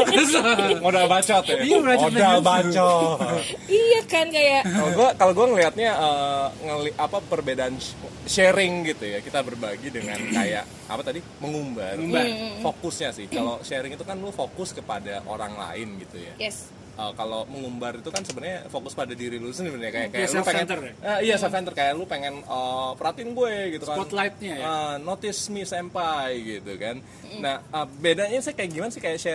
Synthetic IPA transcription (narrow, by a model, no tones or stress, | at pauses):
ŋodabat͡ʃɔt̪aodabat͡ʃɔ | ijakankajaʔkaloɡuakaloɡuaŋəliɦat̪̚ɲaəːŋəliʔapapərbedaːnʃeɾɪŋɡit̪ujakit̪abərbaɡidəŋanka̰ja̰ʔ | a̰pat̪adiməŋumbaruafokʊsɲasɪhkaloʃeɾɪŋit̪ukanlufokʊskəpadaʔo̰ɾa̰ŋla̰ɪnɡit̪uja̰ɛs | ʔəkaloməŋumbarit̪ukansəbərɲafokʊspadadiɾilusənəbənɲakajakalupeŋɛnt̪ərəijasafɛnt̪ərkajaʔlupeŋɛnəpəɾat̪iɪnɡueɡit̪ukaɔlat̪̚ɲaənot̪ɪsmisɛmpajɡit̪ukan | nahəbedaɲasɪkajaʔɡimanasɪhkajaʔʃɛ